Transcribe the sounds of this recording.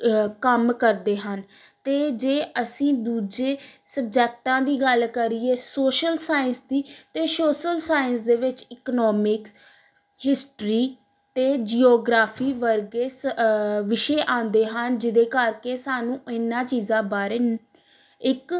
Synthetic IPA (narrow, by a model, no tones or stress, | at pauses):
kəmkəɾd̪eːɦənt̪eːd͡ʒeːəsĩːd̪uːd͡ʒeːsəb̚d͡ʒɛːk̚ʈãːd̪iːɡəlkəɾieːsoːʃəlsaːɪənsd̪iːt̪eːsoːʃəlsaːɪənsd̪eːʋɪt͡ʃɪknɔːmɪks | hɪsʈɾiː | t̪eːd͡ʒiːoːɡɾaːpʰiːʋəɾɡeːsʋɪʃeːʔãːnd̪eːɦənd͡ʒɪd̪eːkəɾkeːsaːnũːɪnːãːt͡ʃiːzãːbaːɾeː | ɪk